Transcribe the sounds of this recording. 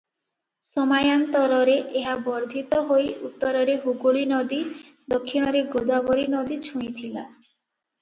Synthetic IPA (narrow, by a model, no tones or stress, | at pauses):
sɔmajant̪ɔɾɔɾeʔeɦabɔɾd̪ʱit̪ɔɦojut̪ːɔɾɔɾeɦuɡuɭinɔd̪i | d̪okʰːiɽ̃ɔɾeɡod̪abɔɾinɔd̪it͡ʃʰuɽ̃it̪ʰila̰